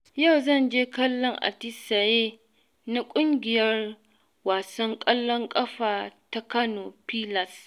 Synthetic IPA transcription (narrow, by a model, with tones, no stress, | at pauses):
ja˦˨wzɐ˦˨nd͡ʒeː˦kɐ˦lːɔ˦ŋʔa̰˨tɪ˦sa˨jeː˦ | na˦kʷʼʊ˦ŋɡʲɪ˨jɐ˦r | waː˨sɐ˦ŋkʼɐ˦lːɔ˦ŋkʼɐ˦ɸaː˨ta˦kɐ˦noː˨piː˦lɐ˨s